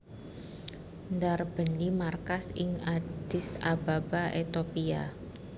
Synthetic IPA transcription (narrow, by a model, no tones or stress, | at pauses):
ndarb̥ənimarkasɪŋad̥ɪsababaʔet̪opia